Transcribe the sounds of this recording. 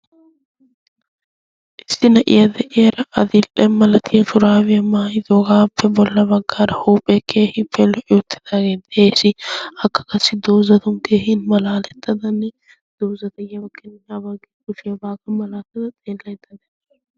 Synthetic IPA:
ʔɪsːɪnɐʔɪ̰jɐd̪ɛʔɪɐɾɐʔɐd̪ɪlʔɛmɐlɐt̪ʰɪjɐtʊɾaːwɪjɐmaːhɪd̪ɔɡaːpʰːɛbɔlːɐbɐɡːaːɾɐhuːpʼːɛkʰeːhɪpːɛlɔʔɪjɔt̪ːɪ̥d̪aːɡeːd̪eːsɪɐkːɐ̥kɐsːɪd̪oːzɐt̪ʊŋkeːhɪnmɐlaːlɛt̪ʰːɐd̪ɐnːɛ | d̪̥oːzɐd̪ɐjɪjɐɐkːɛnɪabɐɡɛkʊfɪjɐbaːɡɐmɐlaːt̪ːɐd̪ɐt̪ʼeːlːɐjt̪ːɐd̪ɐ

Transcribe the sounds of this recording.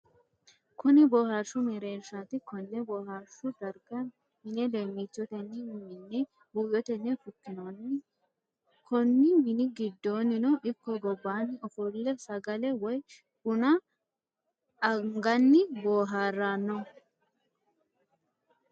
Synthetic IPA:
kʊnɪbɔːhaɾʃːʊmɛɾe̞ːʃaːt̪ɪkɔnːɛbɔːhaɾʃʊd̪ɐɾɡɐ | mɪnɛd̪eːmːit͡ʃːɔt̪ɛnːɪmmɪnːɛ | bujɔt̪ɛnːɛfʊkːɪnonːɪ | kʰɔnːɪmɪnɪɡɪd̪ːo̞ːnːɪnɔʔɪkːɔɡɔbːaːnːɪɔfɔlːɛsɐɡɐlɛwɔj | ʊnɐ | ɐŋɡɐnːɪboːɦaːrːaːnːɔ

